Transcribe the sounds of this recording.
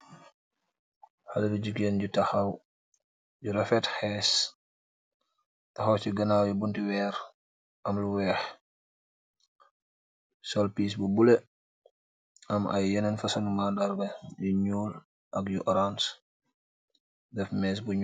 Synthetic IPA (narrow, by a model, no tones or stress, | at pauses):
halɐduɟukjɛnɟutɐxɐw | ɟuɾɛfɛtxɛs | tɐxɐwt͡ʃiɡɐnaːwjibuntiwɛːɾ | ʔɐmluwɛːx | sɔlpiːs̬bubulɛ | ɐmɐ̰jːɛnɛnfɐsɐnumandaɾbɐjuɲuːl | ʔɐkjuʔɔɾans | dɛfmɛs̬buɲ